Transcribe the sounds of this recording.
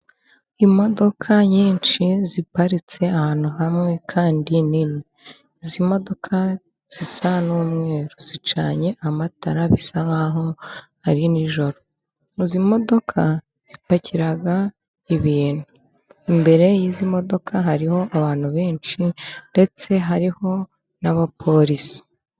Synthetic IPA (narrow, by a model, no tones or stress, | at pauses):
imo̞do̞kʰaɲiːnʃizipaɾit͡se̞ahaːn̥huɦamŋe̞kʰaːndinime | izimo̞do̞kʰa | z̥isanuːmŋe̞ːɾoz̥it͡ʃaːɲe̞ʔamataɾaβisaŋaɦo̞haɾiniʒo̞ɾo̞ | izimo̞do̞kʰa | z̥ipacʰiɾaɡa | iβiːn̥u | imbe̞ɾe̞jizimo̞do̞kʰaɦaɾiho̞ʔaβaːn̥huβeːnt͡ʃinde̞t͡se̞ɦaɾiho̞ | naβapʰo̞ɾisi̥